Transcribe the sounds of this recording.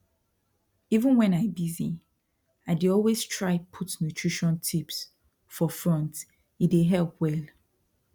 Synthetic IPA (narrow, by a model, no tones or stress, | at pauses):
ivə̃nwɛ̃naɪbizi | aɪdeɔlweztʰɹaɪpʰutnutʰɹ̥iʃɔ̃ntʰips | fɔfɹɔ̃nt | ideɦɛlpʰwɛlˠ